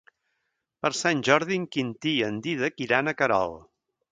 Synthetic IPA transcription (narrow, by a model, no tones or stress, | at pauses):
pəɾsanʲʒɔɾðiŋkint̪iənd̪iðəkiɾanəkəɾɔ̰lˠ